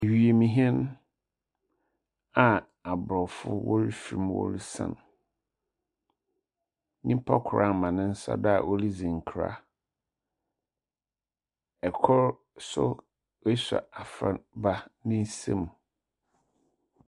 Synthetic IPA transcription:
e˨ɥi˨e˨mĩ˨ɦɛ˦n˦ | a˨ | a˨bɾɔ˨fʊ̰˦wɔ̰˦ɾi˦fi˨i˨˦m˦wɔ̰˦ɾi˦sã̰˦˨n˨ | nĩ˦m˦pʰɔ˦kʰʊ˨ɾʔa˦˨mã˨nɪ̃˦n̩˦sa̰˦da˦a˨ʔo˦li˦d͡zĩ˨ŋ̩˨kʰɾa̰˦ | ɛ˨kʰʊ˦ɾ | sʊ̰˦ | i˦sa̰˨a˨fɾa˨ba˦nɪ̃˦n˦sḛ˦mũ˨

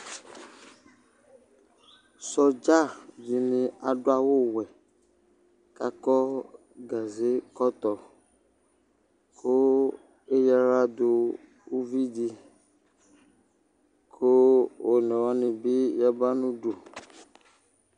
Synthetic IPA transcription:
sɔ˨d͡ʒa˦˨d͡ʒi˨nĩ˨a˨ɖo˦a˨wo˦wɛ˨ | ka˦kɔ˦ | ɡa˨ze˦kɔ˦t̪ɔ˨ | kʰo˦ | e˦ja˦ɾa˦d̪o˨ | wu˦vi˦di˦ | kʰo˦wo˨nɛ̃˨wa˦nĩ˨be˦ja˦ba˦nũ˦ɖo˨

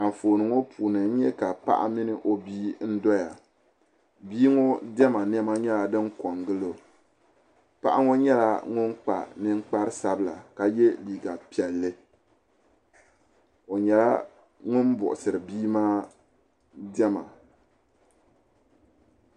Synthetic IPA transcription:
a˨ɱ˨foː˨nɨ˨˦ŋo˦pʰuː˨nɨ˨n̩˦ɲɛ˦ka˨pa̰˦ʔa̰˦mi˦nɨ˨ʔo˦biː˦n̩˦dɔ˦ja˨ | biː˦ŋo˦dɛ˦ma˨n˦ɛ˦ma˦ɲɛ˦la˨dɨ˦ŋkɔ˨ŋɡɨ˦lo˨ | pa̰˦ʔa̰˦ŋo˦ɲɛ˦la˦ŋʊ˦n˦k͡pa̰˨nɨ˦ŋ͡mk͡pa˦ɾɨ˦sa˦bɨ˦la̰˨ka˨jɛ˦liː˨ɡa˨pi˨ɛ˨lːɨ˦ | o˨ɲɛ˨la̰˦ | ŋʊ˦n˦bʊ˨ʔʊ˨sɨ˨ɾɨ˨biː˦maː˦ | dɛ˦ma̰˨

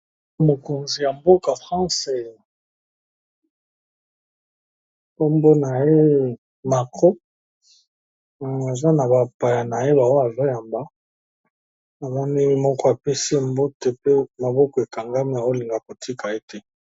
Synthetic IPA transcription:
mo˨ko˨nzi˨ja˨mbo˦ka˨fʁã˦se˦˨ | po˦mbo˦na˨je˦ | ma˨ko˦˨ | a˨za˦na˨ba˨pa˨ja˨na˨je˦ba˨wa˦a˨zo˦ja˨mba˦ | a˨za˦ni˦i˦mɔ˦kɔ˦a˨pe˦se˦˨mbo˦te˨pe˦ma˨bɔ˦kɔ˨e˨ka˨ŋɡa˦mi˦a˨o˦li˨ŋɡa˨ko˨tʰi˦ka˨e˦tɛ˦

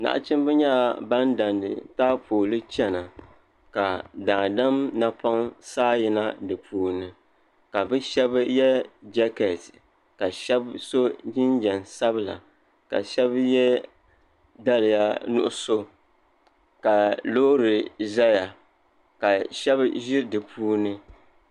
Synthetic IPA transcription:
na̰˨ʔa̰˦t͡ʃɨ˦m˦bɛ˦ɲa˦˨ba˦nda˨ndɨ̰˨taː˦pʰoː˨lɨ˦t͡ʃɛ˦na˨ | ka˨da˨da˦mna˦pa˦ŋsaː˦ji˨na˦dɨ˨pʰuː˨nɨ˨ | ka˨bɨ˦ʃɛ˦bjɛ˦d͡ʒɛ˦kɛ˨t | ka˨ʃɛ˦bso˦d͡ʒɪ˦nd͡ʒɛ˨nsa˦bɨ˦˨la̰˨ | ka̰˨ʃɛ˦bjɛ˦ | da˦lɨ˨ja˦nʊ̰˦ʔʊ˦so˦ | ka˨loː˦ɾɨ˨za˦ja˨ | ka˨ʃɛ˦bʒɪ˦dɨ˨pʰuː˦nɨ˦

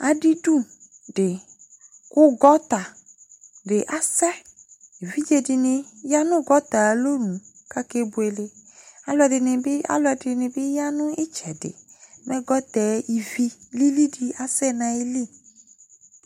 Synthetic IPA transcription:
a˨ɖi˦ɖu˦ | ɖe˨ | kʊ˦ɡɔ˦t̪a˨ | ɖe˨ʔa˨sɛ˦ | i˨vi˦d͡ʒe˨di˨nẽ˨ja˦nʊ̃˦ɡɔ˦t̪a˨lo˦nũ˨ | ka˦ke˦bu˨e˨le˨a˨˦lɛ˨ɖɪ˨n˨˦a̰˦lɔ˦ɛ˨dɪ˨nẽ˨be˦ja˦nʊ̃˦ʔi˦t͡ʃɛ˨dḛ˨mɛ̃˦ɡɔ˦t̪ɛ˨˦i˨vi˦li˦li˦di˦a˨sɛ˦nã˨i˦li˦

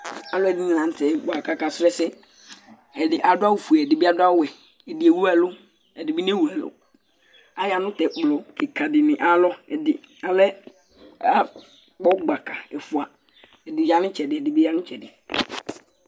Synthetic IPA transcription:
a˨lɔ˦ɛ˨dɪ˦nĩ˨nã˨n˦tʰɛ˨ba˨ka˨ka˨sɾɛ˦sɛ˦ | ɛ˨dɪ˨ʔa˨dʊ˦a˦wu˨fu˨ɛ˨ɛ˨dɪ˨bi˦a˨dʊ˦a˦wɛ˨ | ɛ˨dɪ˨ɛ˨wu˦ɛ˨lʊ˦ | ɛ˨dɪ˨bi˦n˦ɛ̃˦wu˨a˨lʊ̰˦ | a˨jɪ˦˨a˨nʊ̃˦tɛ˨k͡plɔ˨kʰɪ˨kʰa˨dɪ˨nɪ̃˨ʔa˦lɔ˦ɛ˨dɪ˨ | a˨lɛ˦ | a˦ | k͡pɔ˦ɡ͡ba˨kʰa˨ɛ˨fʊ˨a˨ | ɛ˨dɪ˨˦a˨nɪ̃˦t͡ɕʰɛ˨dɪ˨ɛ˨dɪ˨bi˦ja˦nʊ̃˦t͡ɕʰɛ˨dɪ˨

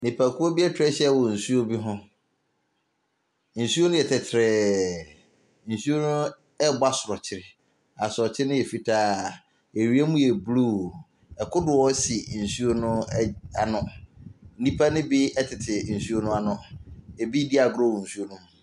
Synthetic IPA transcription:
nɪ̃˨pʰa˨kʊ˦o˦bi˦ɛ˦tʰᶣɾɛ˦ɕɛ˦˨wɔ˨n̩˨su˦o˦bi˦ɦʊ̃˦ | n̩˨su˦o˦nʊ̃˦ɛ˨tʰɛ˨tʰɾɛ˨ | n̩˨su˦o˦nʊ̃˦ | ɛ˦ba˦sʊ˨ɾɔ˨t͡ɕʰɪ˦ɾɪ˦ | a˨sʊ˨ɾɔ˨t͡ɕʰɪ˦ɾɪ˦nʊ̃˦ɛ˨fi˦tʰaː˨˦ | e˨ɾi˦e˦mũ˦jɛ˨blu˦˨ | ɛ˨kʰʊ˦dʊ˨ɔ˦si˨n̩˨su˦o˦nʊ̃˦a˨nʊ̃˦n̩˦nĩ˦pʰa˦nɪ̃˦bi˦ɛ˦tʰɪ˨tʰɪ˨n̩˨su˦o˦nʊ̃˦a˨nʊ̃˨e˨bi˦di˦a˨ɡʊ˨ɾɔ˦˨wɔ˨n̩˨su˦o˦nʊ̃˦˨

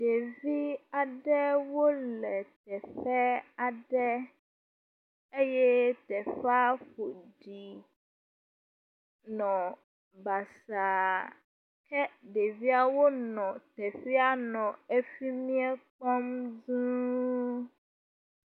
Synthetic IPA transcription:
ɖe˨vi˦a˨ɖɛ˦wo˦lɛ˨t̪ɛ˨fɛ˦a˨ɖɛ˦ | e˦jɛ˦t̪ɛ˨fa˦ɸo˨ɖi˨ | nɔ̃˨ | ba˨sa˨ | kɛ˦ɖe˨vi˦a˦wo˦nɔ̃˨t̪ɛ˨fi˦a˦nɔ̃˨e˦fi˦mĩ˦ɛ˦k͡pɔ˦mzũ˦

